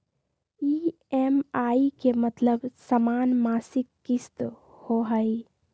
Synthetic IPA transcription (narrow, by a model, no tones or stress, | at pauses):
i | emaikemət̪ləbsəmaːnmaːsɪkːist̪ | hoɦəj